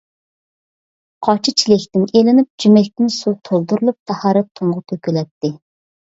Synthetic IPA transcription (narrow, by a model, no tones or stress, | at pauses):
qʰɑt͡ʃʰɪt͡ʃʰilɪkʲt̪ɪnelɪnɪp̚d͡ʒymɛkʲt̪ɪnsut̪ʰolˠd̪uɾɨlˠup̚t̪ʰɛhɑɾɨt̪ʰʊɴʁʊt̪ʰøkʲylɛt̪ːɪ